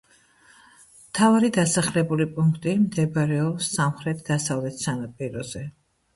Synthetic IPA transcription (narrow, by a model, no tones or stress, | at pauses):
mt̪ʰavaɾid̪asaχlɛbulipʼuŋkʰt̪ʼimd̪ɛbaɾɛɔpsːamχɾɛt̪̚ʰd̪̥asavlɛt̪ʰsanapʼiɾɔzɛ